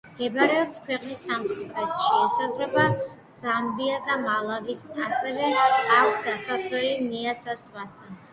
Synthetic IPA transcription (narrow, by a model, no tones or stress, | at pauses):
mɡ̥ɛbaɾɛɔpskʰwɛqʼnisamχɛt̪ʼvɛt̪ʃɛːsazɾɛba | z̥ambiasd̪amalˠavisasɛvɛakʰʷsd̪asaswɛliniasast̪ʼwast̪ʼʰan